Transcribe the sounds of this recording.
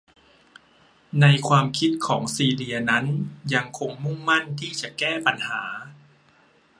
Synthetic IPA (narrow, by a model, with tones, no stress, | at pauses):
na˧jkʰwaː˧mkʰi˦˥t̪̚kʰɔː˩˦ŋsiː˧li˧ɐna˦˥nja˧ŋkʰo˧ŋmu˥˩ŋma˥˩nt̪ʰiː˥˩t͡ɕa˨˩kɛː˥˩pa˧nhaː˩˦